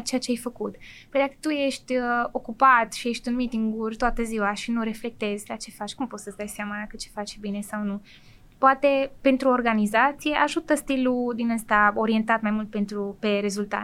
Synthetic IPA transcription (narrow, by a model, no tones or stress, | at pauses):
t͡ʃeat͡ʃeajfəkut̪pojd̪akə̥t̪uje̞ʃt̪ʲəo̞kupat̪ʃije̞ʃt̪ʲunmit̪iŋɡurʲt̪oat̪əziwaʃinuɾe̞fle̞k̚t̪e̞zʲlat͡ʃe̞fat͡ʃʲkumpo̞t̪səsd̪ajseamakət͡ʃe̥fat͡ʃʲbine̞sawnu | poat̪e̞pe̞nt̪ɾuo̞rɡanizat̪sije̞ʔaʒut̪əst̪ilud̪inəst̪ao̞ɾie̞nt̪at̪majmult̪̚pe̞nt̪ɾupe̞ɾe̞zult̪a̰t̪